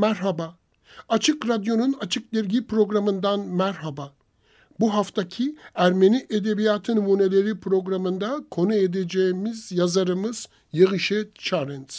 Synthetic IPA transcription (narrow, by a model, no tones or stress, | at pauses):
mæɾɦaba | at͡ʃʰɯkɾad̪jo̞nunat͡ʃʰɯk̚d̪iɾɟipɾo̞ɡɾamɯnd̪anmæɾɦaba | buɦaft̪ʰacʰiæɾme̞niʔed̪e̞bijat̪ʰɯnumuːne̞lʲe̞ɾipʰɾo̞ɡɾamɯnd̪akʰo̞nued̪e̞d͡ʒeimizjazaɾɯmɯz̥ | jɯɣɯʃɛt͡ʃʰaɾins